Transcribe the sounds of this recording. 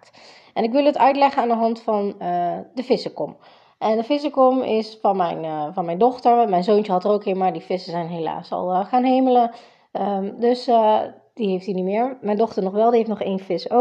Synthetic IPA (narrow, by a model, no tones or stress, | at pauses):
t | ʔɛnɪkʋɪlˠətœɥtlɛχənaːndəɦɑntfɑnədəfɪsəkɔm | ʔɛndəfɪs̬əkɔmɪsfɑnmɛ̰jnvɑnmɛjndɔχtəɹmɛjnzoːnt͡ʃəɦɑtərowkɦeːmaːɹdifɪsəzɛjnɦela̰ːsɑ̰lˠəχaːnɦejmələ | ədøs | d̥iɦejftinimɪːɹmɛjndɔχtəɹnɔχʋɛlˠdiɦejftnɔχejnfɪso